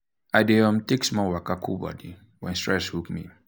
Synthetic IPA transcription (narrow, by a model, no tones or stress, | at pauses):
ajdeãmteksmɔwakakʰubɔ̰di | wɛ̰̃nstɹɛshupmḭ